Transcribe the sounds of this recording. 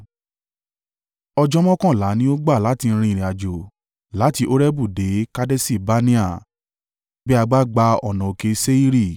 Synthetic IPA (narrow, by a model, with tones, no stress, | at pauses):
ɔ˧d͡ʒɔ˦mɔ̃˦kɔ̃˦˨la˨˦nĩ˦o˦ɡ͡ba˦˨la˨˦ti˧n̩˦˧ɾ̃ĩ˧i˨ɾ̃ĩ˨a˨d͡ʒo˨ | la˨˦ti˧˦ʔo˦ɾɛ˦bu˦˨de˨˦ka˦de˦si˦˨ba˦nĩ˦a˦˨ | bɛ˦a˧ɡ͡ba˦ɡ͡ba˧˦ɔ˦˨nɔ̃˨o˨ke˧se˦i˦ɾi˦˨